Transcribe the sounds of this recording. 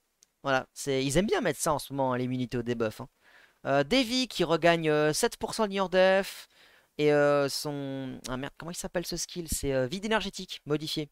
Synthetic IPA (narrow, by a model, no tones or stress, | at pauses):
vwala̰sɛilzɛmbjɛ̃mɛt̪χsaɑ̃smɔmɑ̃ɛ̃limynit̪eod̪ebœfɛ̃ | ød̪evikʲʰiʁəɡaɲøsɛt̪puʁsɑ̃d̪iɲɔʁd̪eɛf | eøsɔ̃ɛ̰̃mɛʁd̪kɔmɑ̃ilsapɛlsəskʲʰilsɛøvid̪enɛʁʒet̪ikmɔd̪ifje